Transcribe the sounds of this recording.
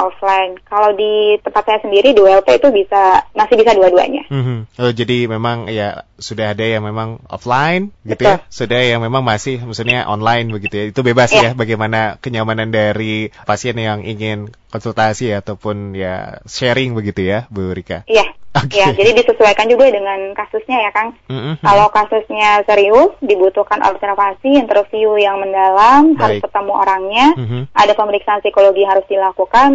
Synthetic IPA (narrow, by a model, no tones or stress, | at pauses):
ʔɔflajnkalawdit̪əpat̪̚ɲasəndiɾiduɛlp̪eit̪ubisamasɪhbisaduadua̰ɲa̰m̩hm̩əd͡ʒadimemaŋjasudaɦadajaŋmemaŋɔ̰flajnbəɡbiət̪ujalsudahjaŋmemaŋmasɪhməksulɲaʔɔ̰nlajnbəɡit̪ujait̪ubebasjjabaɡajmanakəɲamanandaɾipasiɛnjaŋiŋɪnkɔnsult̪asiat̪awpʊnja̰ʃɛɾɪŋbəɡit̪ujabəuɾika̰jaokjad͡ʒadidisəsuajkand͡ʒuɡadəŋankasʊsɲajakanmm̩kalowkasʊsɲasəɾiʊsdibut̪uhkanɔ̰bsɛrfasiant̪əɾfiujaŋməndalamɦaɾʊpərt̪əmuo̰ɾaŋɲaadapəməɾiksaːnpsikoloɡijaŋhaɾʊsdilakukan